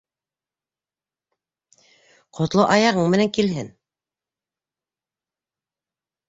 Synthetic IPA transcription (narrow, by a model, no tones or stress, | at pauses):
qʰŏt̪lˠoʔɑjɑʁɤɴmɘ̆næŋkilɦɘn